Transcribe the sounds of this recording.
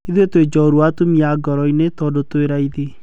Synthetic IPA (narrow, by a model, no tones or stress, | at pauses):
iðetwed͡ʒɔɾwatomiaɡɔɾɔinetɔdotoeɾaiðe